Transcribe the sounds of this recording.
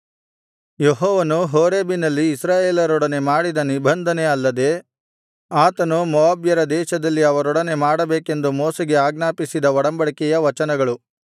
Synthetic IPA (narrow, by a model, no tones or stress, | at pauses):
jeɦɔːʋɐnuɦoːɾeːbinɐlːiːsɾaːjeːlɐɾɔɽɐnemaːɽid̪ɐnibʱɐnd̪ʱɐne̞ɐlːɐd̪e̞ | aːt̪ɐnumɐʋaːbjɐɾɐd̪ɛːʃɐd̪ɐlːiɐʋɐɾɔɽɐne̞maːɽɐbeːke̞nd̪umoːsɐɡe̞aːɡnaːpisid̪ɐʋɔɽɐmbɐɭikɛjɐʋɐt͡ʃɐnɐɡɐɭu